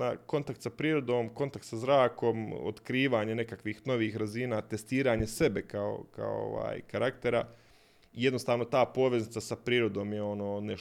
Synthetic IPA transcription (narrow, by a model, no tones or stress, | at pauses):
ako̞nt̪akt̪sapɾiːɾo̞d̪o̞ːmko̞nt̪akt̪sazɾaːko̞mo̰t̪kɾiːʋaːɲe̞ne̞kakʋiːxno̞ʋiːxɾaziːnaːt̪e̞st̪iːɾaːɲe̞se̞be̞kao̰ka̰o̰o̰ʋa̰ːjkaɾakt̪e̞ɾa̰ | ijed̪no̞st̪aːʋno̞t̪aːpo̞ːʋe̞znit̪sasapɾiːɾo̞d̪o̞ːmjeo̞noːne